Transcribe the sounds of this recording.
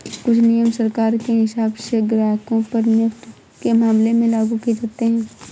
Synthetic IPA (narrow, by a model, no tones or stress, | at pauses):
kʊt͡ʃʰnijəmsɐɾkaːɾkeɦɪsaːbseɡɾaːkõpɐɾnɪft̪ | kemaːmlemẽlaːɡukid͡ʒaːt̪eɦɛ̃ː